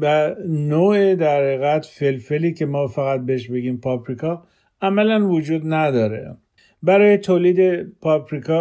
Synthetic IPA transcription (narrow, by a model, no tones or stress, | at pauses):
bænoːed̪æɾheɣæt̪felfeliːcʰe̞mɒːfæɣæt̪̚behʃ̬be̞ɡiːmpʰɒpɾikʰɒː | æmælænvod͡ʒuːd̪næd̪ɒːɾḛ | bæɾɒːjet̪ʰoːliːd̪epʰɒpɾikʰɒː